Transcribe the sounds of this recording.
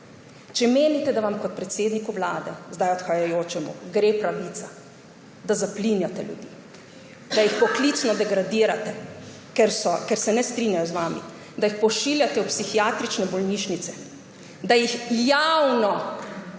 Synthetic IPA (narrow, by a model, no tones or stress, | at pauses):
t͡ʃɛmeːnit̪ɛd̪aʋamkɔt̪̚pɾɛt̪seːd̪nikuʋlaːd̪ɛzd̪ajɔt̪xajajoːt͡ʃɛmṵɡɾeːpɾaʋiːt̪sa | d̪azaplinjat̪ɛljṵd̪iː | d̪ajixpɔklit̪snɔd̪ɛɡɾad̪iːɾat̪ɛ | kɛɾsɔkɛɾsɛnɛst̪ɾinjajɔzʋaːmḭ | d̪ajixpɔʃiːljat̪ɛupsixijaːt̪ɾit͡ʃnɛbɔlniːʃnit̪sɛ | d̪ajixjawnɔ